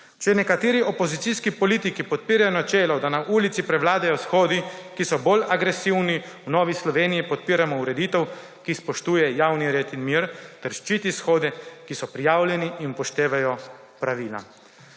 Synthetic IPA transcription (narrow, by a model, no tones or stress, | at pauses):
t͡ʃɛnɛkat̪eːɾiʔopozit̪iskipɔliːt̪ikipɔt̪̚piːɾajɔnat͡ʃɛːlɔd̪anaʔuːlit̪sipɾɛʋlaːd̪ajɔsxoːd̪ikisɔbolaɡɾesiwni | wnɔːʋislɔʋeːnijipɔt̪̚piːɾamɔuɾɛd̪it̪ɛw | kispɔʃt̪uːjɛjaːwniɾeːt̪inmiːɾt̪ɛɾʃt͡ʃiːt̪isxoːd̪ɛkisɔpɾijaːwljɛniʔinpɔʃt̪eːʋajɔ | pɾaʋiːla̰